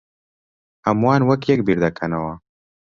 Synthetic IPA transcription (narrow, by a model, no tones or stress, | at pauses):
ɐmwaːnwɐkjɐkbiɾd̪akʰɐnawa